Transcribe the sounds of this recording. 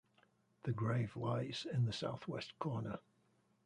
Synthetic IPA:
ðəɡɹeɪvlaɪz̥ɪ̃nðəsa̰ʊθwɛskʰɔːnə

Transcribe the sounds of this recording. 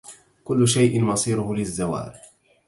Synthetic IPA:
kʊlːʊʃajʔɪnmɑsˤiːɾʊhʊlɪzːawa̰ːɾ

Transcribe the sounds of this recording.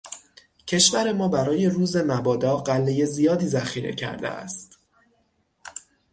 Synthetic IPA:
cʰe̞ʃvæɾe̞mɒːbæɾɒːje̞ruːze̞mæbɒːd̪ɒːɢælːe̞je̞zijɒːd̪iːzæxiːɾḛcʰæ̰ɾd̪ḛæ̰st̪

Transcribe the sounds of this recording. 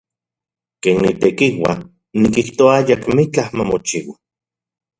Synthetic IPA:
keːnːit̪ekiwa̰ | nikiht̪oaajakmit͡ɬahmamot͡ʃiwa

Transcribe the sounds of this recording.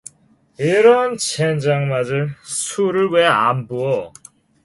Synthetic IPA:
iɾʌnt͡ɕʰend͡ʑaŋmad͡ʑɯɭsʰuɾɯɭweambuʌ

